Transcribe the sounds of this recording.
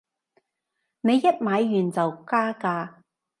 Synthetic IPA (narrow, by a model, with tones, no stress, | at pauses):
ne˨˧jːɐ˥t̚maː˨˧jːyː˨˩nt͡sɐ˨wkaː˥kaː˧